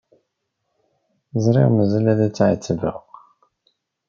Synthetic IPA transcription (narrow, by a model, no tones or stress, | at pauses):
zˤɾˤḭʁməzælæðæt͡sːʕit͡sːəvə̰ʁ